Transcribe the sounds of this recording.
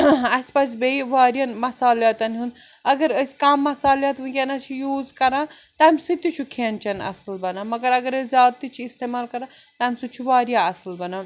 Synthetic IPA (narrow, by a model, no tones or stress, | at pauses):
ɐsʲpɐsbeiʋaːɾjɐnmɐsaːljaːt̪ɐnɦun | ɐɡɐɾəskaːmːɐsaːljaːt̪ʋukʲenɐt͡ʃʰijuːzkɐɾãː | t̪ɐaːmʲsɨt̪ːut͡ʃʰukʰeːnt͡ʃʰɐnɐ̰sɐlbɐnaːmɐɡɐɾɐɡɐɾəzʲaːt̪ːit͡ʃʰiist̪eːmaːlkɐɾãː | t̪aːmʲsut͡ʃʰuʋaːɾjaɐsɐlbɐnaː